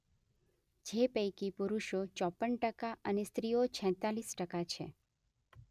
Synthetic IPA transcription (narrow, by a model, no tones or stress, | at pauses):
d͡ʒepəjkipuɾuʃot͡ʃɔpːəɳʈəkaʔənest̪ɾijot͡ʃʰɛ̃t̪alisʈəkat͡ʃʰḛ